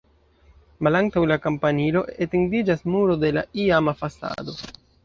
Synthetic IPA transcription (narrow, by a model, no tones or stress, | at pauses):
malaŋtawlakompanilo̞ʔetendid͡ʒasmuɾo̞de̞laiamafasa̰do̞